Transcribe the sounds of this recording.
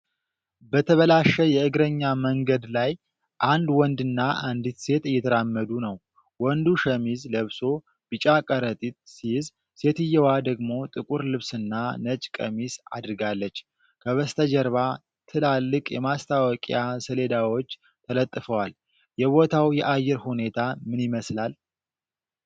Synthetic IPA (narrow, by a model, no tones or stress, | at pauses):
bət̪ʰəβəlaʃəjɛɨɡɾəɲːaməŋɡəd̪laj | ʔand̪wɔnd̪ɨnːaand̪it̪se̞t̪ɨjːɛt̪ʰəɾamːəd̪unəw | wɔnd̪uʃəmizləβso̞ | b̥ɨt͡ʃʼakʼəɾət̪ʼit̪̚siz | se̞t̪ɨjːɛwad̪əɡmo̞t̪ʼɨkʼuɾlɨβsɨnːanət͡ʃʼkʼə̰misa̰d̪ɨɾɨɡalːət͡ʃː | kʰəβəst̪ʰəd͡ʒəɾβa | t̪ʰɨlalːɨkʼjɛmast̪ʰawɔkʼjasəle̞d̪awo̞t͡ʃː | t̪ʰələt̪ʼːɨfəwal | jɛβo̞t̪ʰawjɛʔajːɛɾhune̞t̪ʰamɨnjɪməslal